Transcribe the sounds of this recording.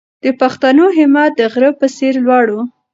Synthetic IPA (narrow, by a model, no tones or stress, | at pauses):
d̪̥əpaxt̪anoɦɪmɑt̪̚d̪əɣɾəpəseɾlwɑɽu